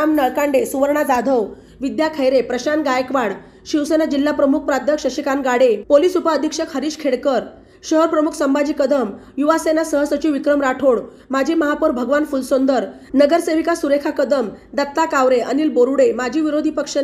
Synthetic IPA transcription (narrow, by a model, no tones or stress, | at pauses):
amnəɭkãɳɖesuʋəɾɳad͡zad̪ʱəw | ʋid̪jakʰəjɾepɾəɕanɡajəkʋaɽ | ɕiwsenad͡ʑilːapɾəmuk̚ʰpɾad̪ʱjəkʂəɕikanɡaɽepoliːsupəəd̪ʱikʂəkhəɾiːɕkʰeɽkəɾ | ɕəɦəɾpɾəmukʰsəmbad͡ʑiːkəd̪əm | juʋasenasəɦəsət͡ɕiʋikɾəmɾaʈʰoɽ | mad͡ʑʱiməɦapuɾbʱəɡʋanfulsond̪əɾ | nəɡəɾseʋikasuɾekʰakəd̪əmd̪ət̪ːakaʋɾeʔəniːlboɾuɽemad͡ʑʱiːʋiɾod̪ʱiːpəkʂə